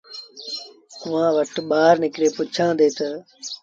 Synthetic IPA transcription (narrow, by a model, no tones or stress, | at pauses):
ʊʋãːʋəʈɓaːɾnɪkɾeːpʊt͡ʃʰãːd̪eːt̪ə